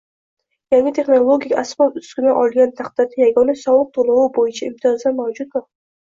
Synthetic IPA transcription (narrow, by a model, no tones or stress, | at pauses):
jaŋɪt̪ʰe̞χnolˠoɡʲiikʲasmɒlʊskʲɪnaʔɒlˠɡʲant̪ʰaqt̪ad̪ajaɡɒnasɒwˠɨq̚t̪ʰolˠʊwubojɪt͡ʃʰaɪmt̪ʰijɒzd̪amawd͡ʒʊt̪̚ʊ